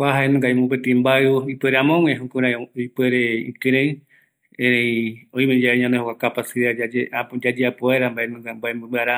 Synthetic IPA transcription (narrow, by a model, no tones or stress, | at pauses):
kʷaɦaenũŋɡaimũp̬et̪ĩmbaɨipeɾeamõŋẽɦũkũɾ̃ãipeɾeḭ̃kɨ̃ɾẽ | ẽɾẽĩõĩmẽd͡ʒaeɲãnd̪ehokʷakapasiɾaaead͡ʒad͡ʒeapoeɾambaʔenũɡambaembɨ̃bɨaɾa